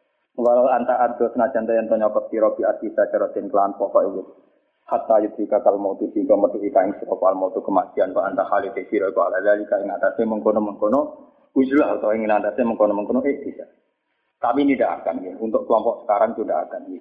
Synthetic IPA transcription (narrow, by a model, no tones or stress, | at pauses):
walaant̪aʔadɔsənat͡ʃant̪ujant̪ɔɲɔkɔt̪̚piɾɔpiatkisat͡ʃaɾɔʔt̪ɛnkəlanpɔʔkaiɡu | hat̪ajut̪ɾikakalmot̪usiŋk̪ɔmərt̪uʔik̪aiŋsəɾɔkɔalmɔt̪ukəmat͡ʃianbaʔant̪ahalit̪efiɾɔikɔaladad͡ʒikaiŋat̪asɛməŋkonɔməŋkonɔ | ud͡ʒulahut̪ɔiŋinand̪asɛməŋkonɔməŋkɔnɔeʔkisa | t̪apinidaa̰kanɡit̪unt̪ʊʔkəlɔmpɔʔsə̥kaɾaŋt̪udaa̰kanɡi